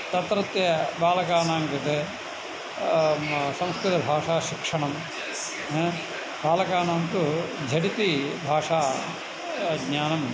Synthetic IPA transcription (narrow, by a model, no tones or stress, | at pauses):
t̪ɐt̪ɾɐt̪jɐbaːlɐkaːnaːŋkɐt̪e | sɐ̃mskɾut̪ɐbʱaːʂaːʃikʂɐɳɐm | baːlɐkaːnaːnt̪ud͡ʒʱɐʈit̪ibʱaːʂaː | ɡɲaːnɐm